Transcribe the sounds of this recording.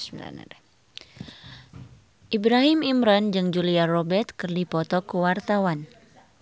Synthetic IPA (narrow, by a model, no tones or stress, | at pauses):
a̰n̰ | ʔibɾaɦimimɾand͡ʒɨŋd͡ʒuliarɔbɛrt̪̚kɨrdipɔt̪ɔkuwart̪awan